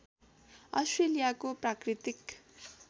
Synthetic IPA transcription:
ʌsʈrelijakoprakrit̪ik

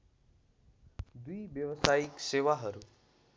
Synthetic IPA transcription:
d̪uiʋjəʋəsaːikseːʋaɦəɾu

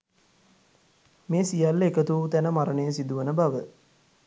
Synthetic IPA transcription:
meːsijalːekət̪uːt̪ænəmaɾənesid̪uʋənəbaʋə

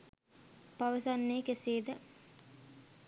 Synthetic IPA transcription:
paʋəsanːeːkeseːd̪ə

